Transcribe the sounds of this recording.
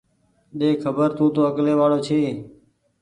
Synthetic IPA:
ɗeːkʰəbəɾt̪ʰũːt̪oːəkleːʋaːɽoːt͡ʃʰeː

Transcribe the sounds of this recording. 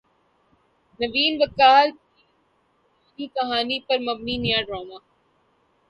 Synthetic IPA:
nɐʋiːnʋɐkaːl | iːkɐɦaːnipɐɾmɐb̚ninijãːɖɾoːmaː

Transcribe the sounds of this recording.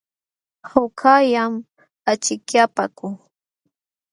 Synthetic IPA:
hʊkʰajam | at͡ʃɪkjapakʊ

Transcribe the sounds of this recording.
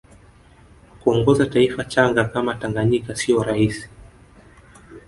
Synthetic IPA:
kuɔŋɡɔzataifat͡ʃaŋɡakamataŋɡaɲikasiɔɾahisi̥

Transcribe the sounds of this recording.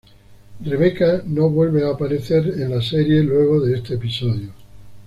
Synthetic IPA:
re̞β̞e̞kano̞βwe̞lβeaːpaɾe̞θe̞ɾenlase̞ɾje̞lwe̞ɣ̞o̞ðeest̪eːpiso̞ðjo

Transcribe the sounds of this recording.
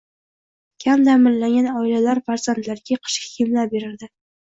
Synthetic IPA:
kʲʰamd̪amɪlːaŋɡʲanɒɪlalaɾfaɾz̥ant̪laɾɡʲaqʰɨ̥ʃkʲḁkʲʰemlabeɾɪɾd̪ɪ

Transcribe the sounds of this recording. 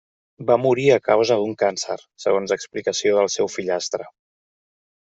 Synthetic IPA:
bamuɾiəkawzəðuŋkansə̰ɾsəɣ̞onzəksplikəsioðəlˠsɛwfiʎast̪ɾə

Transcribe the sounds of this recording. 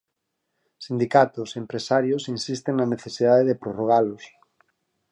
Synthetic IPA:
sind̪ikat̪ʊsempɾesaɾjosinsist̪eŋnɐneθesiðaðeðepɾoroɣ̞alʊs

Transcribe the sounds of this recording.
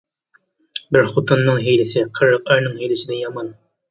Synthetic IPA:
bɪɾχʊt̪ʊnːɨŋɦijlɪsɪqʰəɾɤq̚ɑɾnɨŋhijlɪsɪd̪ɛjɑmɑn

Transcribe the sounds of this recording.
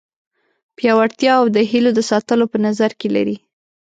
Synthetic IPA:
pjɑwaɽt̪jɑawd̪əɦilod̪əsɑt̪əlopənazaɾkela̰ɾi

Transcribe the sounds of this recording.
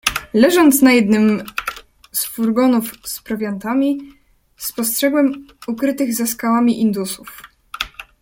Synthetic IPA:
lɛʐɔnt̪snajɛd̪nɘm | sfuɾɡɔnufspɾɔvʲjant̪amʲi | spɔstʂɛɡwɛmukɾɘt̪ɘɣzaskawamʲiʔind̪usuf

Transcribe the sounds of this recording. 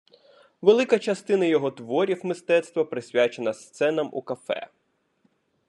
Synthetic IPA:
ʋelˠɪkɐt͡ʃɐst̪ɪnɐjɔɦɔt̪ʋɔɾʲiwmɪst̪ɛt̪st̪ʋɐpɾɪsʲʋʲat͡ʃenɐst̪sɛnɐmṵkɐfɛ̰

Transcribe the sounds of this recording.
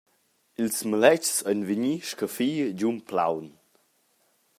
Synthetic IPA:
ilsməlɛt͡ʃsənviɲiʃkəfiːd͡ʑumpla̰wn

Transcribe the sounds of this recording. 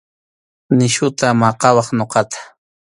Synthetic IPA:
nɪʃʊt̪amɑqɑwɑχnoqɑt̪ʰḁ

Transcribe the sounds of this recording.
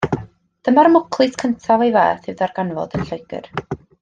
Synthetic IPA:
d̥əmaɾmʊkʰlˠɨskʰəntʰavejvɛ̰ːθɨwðarɡanvɔ̰d̥ənɬɔjɡ̥ɨ̰r

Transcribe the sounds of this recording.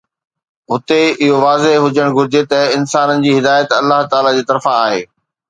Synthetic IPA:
ɦʊt̪eɪɦoʋaːzeɦɦʊd͡ʑəɽ̃ɡʱʊɾɪd͡ʑet̪ɐɪnsaːnənɪ̆d͡ʑiːɦɪd̪aːjət̪ɐlːaɦt̪aːlad͡ʑiːt̪ɐɾfãaːɦḛː

